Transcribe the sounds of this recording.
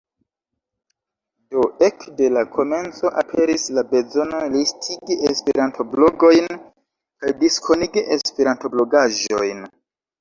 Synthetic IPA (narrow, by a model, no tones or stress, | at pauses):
do̞e̞kde̞lakʰo̞me̞nt͡so̞ʔapʰe̞ɾislabe̞zo̞nolistʰiɡiespeɾantʰo̞blo̞ɡo̞jn | kajdiskʰo̞niɡiʔespeɾanto̞blo̞ɡaʒo̞̰jn